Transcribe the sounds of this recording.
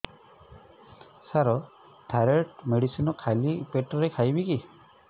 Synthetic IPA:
saɾɔ | ʈʰaɾeʈmeɽisinɔkʰalipeʈɔɾekʰajbiki

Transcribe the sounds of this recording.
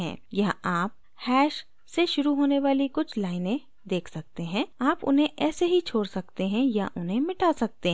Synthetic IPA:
ɛ̰̃ːjɐɦaːp̚ | hɛːʃ | seʃʊɾuɦoːneʋaːlikʊt͡ʃʰlaːɪnẽ | d̪eːkʰsɐk̚t̪eɦɛ̃ːaːpʊ̰nɦẽʔɛːseɦit͡ʃʰoːɽsɐk̚t̪eɦɛ̃ja̰ʔʊnɦẽmɪʈaːsɐk̚t̪eɦ

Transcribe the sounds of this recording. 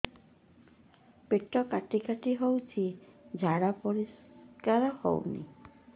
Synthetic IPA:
peʈɔkaʈikaʈiɦowt͡ʃʰid͡ʒʱaɽapɔɾiskaɾɔho̰wnḭ

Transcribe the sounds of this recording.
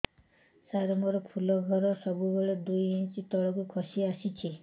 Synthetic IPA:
saɾɔmɔɾɔkʰulɔɡʱɔɾɔsɔbubeɭed̪ujint͡ʃit̪ɔɭɔkukʰɔsiasit͡ʃʰi

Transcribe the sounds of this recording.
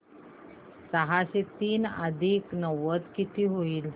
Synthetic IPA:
səɦaɕet̪iːna̰d̪ʱiːknəʋət̪kit̪ʰiːɦoiːl

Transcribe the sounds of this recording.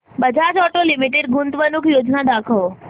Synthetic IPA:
bəd͡ʒʱad͡ʒɔʈolimiʈeɖɡʊnt̪ʋənukʰjod͡ʒnad̪akʰəʋo

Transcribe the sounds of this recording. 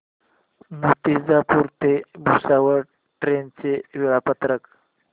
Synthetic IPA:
mut̪isd͡zapuːɾt̪ebusaʋəɾ | ʈɾent͡seʋiɭapət̪ɾək

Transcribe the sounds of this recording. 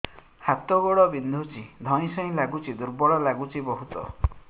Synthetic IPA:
hat̪ɔɡɔɽɔbind̪ʱut͡ʃid̪ʱɔɽ̃ĩsɔĩlaɡut͡ʃʰid̪uɾbɔɭɔlaɡut͡ʃʰibɔɦut̪ɔ̰

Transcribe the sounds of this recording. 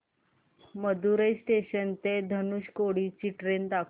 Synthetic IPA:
məd̪uɾəjsʈeɕənt̪ed̪ʱənuɕkoɽit͡ɕiːʈɾend̪akʰ

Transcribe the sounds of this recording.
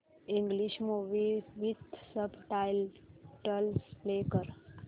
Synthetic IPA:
iŋɡliʃmuʋiʋit̪səbʈajlʈəlslekəɾ

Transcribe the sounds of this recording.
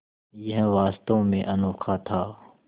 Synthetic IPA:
jəɦʋaːst̪õmẽʔɐnoːkʰat̪ʰaː

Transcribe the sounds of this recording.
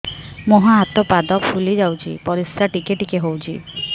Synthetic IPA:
mɔɦaɦat̪ɔpad̪ɔppʰulid͡ʒawt͡ʃʰḭpɔɾisɾaʈikeʈikeɦowt͡ʃʰḭ

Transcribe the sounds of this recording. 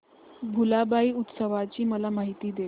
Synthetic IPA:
bʱulabaiːut̪səʋat͡ɕiːməlamaɦit̪iːd̪e

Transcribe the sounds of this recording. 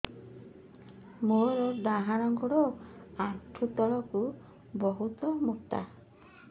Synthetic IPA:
moɾɔɖ̪aɦaɽ̃ɔŋkɔɽɔaʈʰut̪ɔɭɔku | bɔɦut̪ɔmukt̪a̰

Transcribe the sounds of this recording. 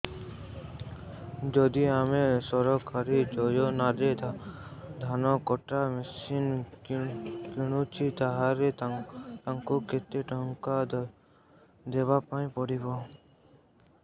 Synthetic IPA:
d͡ʒɔd̪iamẽsɔɾɔkʰaɾid͡ʒɔjonad̪et̪ad̪ʱanɔkɔʈamesinkkuɽ̃ut͡ʃʰit̪aɦaɾet̪aŋkokʰet̪ːeʈəŋka | d̪eːbapaĩpɔɽibo

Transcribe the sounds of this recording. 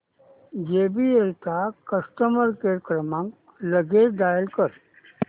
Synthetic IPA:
d͡ʒeːbielt̪akəsʈəməɾkekɾəmãŋɡ | ləɡed̪aːjəlkəɾ

